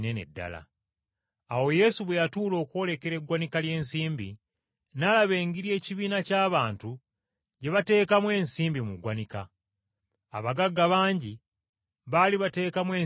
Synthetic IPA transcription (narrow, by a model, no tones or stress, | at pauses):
nenḛdːa̰la̰ː | wo̞je̞suβwe̞jatuːlo̞ːkwo̞le̞ke̞ɾe̞ɡwanikalje̞ːnsiːmbḭ | nalaβe̞ːŋɡiɾje̞ːciβiːnacaːβaːntu | ɟe̞βate̞ːkamwe̞ːnsiːmbimuɡwanikaː | βaɡaɡːaβaːɲɟi | βaliβate̞ːkamwe̞ː